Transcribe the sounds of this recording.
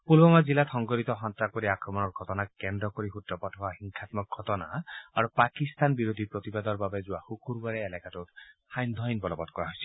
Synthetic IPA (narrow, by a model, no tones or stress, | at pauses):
pulbɔmazilatʰɔŋɡɔɹit̪ɔxɔnt̪ɹakoɹiakɹɔmɔnɔɹɡʱɔtɔnakɛndɹɔkoɹixutɹɔpɔtɦʊaxiŋkʰat̪mɔk̚ɡʱɔtɔna̰aɹupakist̪anbiɹod̪ʱipɹot̪ibad̪ɔɹbabɛzʊwaxukuɹbaɹɛːlɛkatutxajnd̪ʱɔjnbɔlɔbɔtkɔɹaɦojsɛ̥l